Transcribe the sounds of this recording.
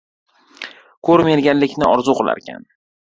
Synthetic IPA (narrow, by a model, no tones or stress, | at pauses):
kʰɵɾmeɾɡʲanlɪkʲʰnɪɒɾzuqʰɨlˠa̰ɾkʲʰa̰n